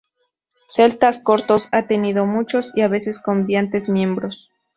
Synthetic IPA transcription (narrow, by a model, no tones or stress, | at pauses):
se̞lt̪asko̞ɾt̪osat̪e̞niðo̞mut͡ʃo̞siaβese̞skombjant̪e̞zmje̞mbɾo̞s